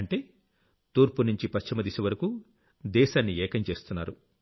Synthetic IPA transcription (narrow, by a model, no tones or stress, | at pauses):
ɳʈe̞ː | t̪uːɾpunuɲt͡ʃipɐʃt͡ʃimɐd̪isiʋɐɾɐku | d̪ɛːʃaːnːiɛːkɐmt͡ʃe̞ːst̪unːa̰ːɾu